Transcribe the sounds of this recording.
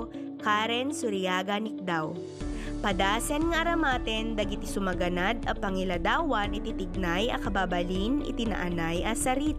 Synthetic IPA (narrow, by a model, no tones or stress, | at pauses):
kaɾɛnsʊɾɪaːɡɐnɪk̚d̪aw | pɐd̪aːsɛnŋɐʔɐɾɐmaːt̪ɛnd̪ɐɡɪt̪ɪsʊmɐɡɐnad̪ɐpɐŋɪlɐd̪aːwɐnɪt̪it̪ɪɡ̚najɐ̰kɐbaːbɐlinɪ̰t̪ɪnɐ̰ʔɐnajʔɐsɐɾiːt̪